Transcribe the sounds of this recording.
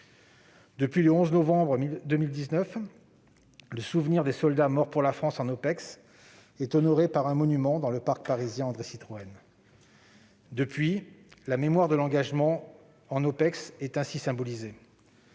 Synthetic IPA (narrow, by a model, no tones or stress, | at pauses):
d̪əpɥiləɔ̃znɔvɑ̃bʁəmid̪əmild̪iznœf | ləsuvniʁd̪esɔld̪amɔʁpuʁlafχɑ̃sɑ̃nopɛks | ɛt̪ɔnɔʁepaʁɛ̃mɔnymɑ̃d̪ɑ̃ləpaʁk̚paʁizjɛ̃ɑ̃d̪ʁesit̪χɔɛn | d̪əpɥilamemwaʁd̪əlɑ̃ɡaʒmɑ̃ | ɑ̃nopɛksɛt̪ɛ̃sisɛ̃bɔlize